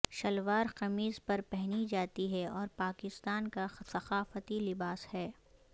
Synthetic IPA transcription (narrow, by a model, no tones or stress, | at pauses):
ʃɐlʋaːɾqɐmiːzpɐɾpɛɦnid͡ʒaːt̪iɦɛɔːɾpaːkɪst̪aːnkasɐqaːfət̪ilɪbaːshɛː